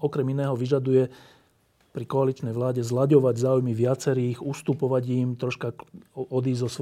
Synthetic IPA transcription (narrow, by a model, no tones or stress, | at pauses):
ɔkɾɛminɛːɦɔʋiʒad̪ujɛ | pɾikɔalit͡ʃnɛjʋlaːɟɛzlaɟɔʋaɟzaːujmiʋɪat͡sɛɾiːɣust̪upɔʋaɟimt̪ɾɔʃkaɔd̪iːzzɔs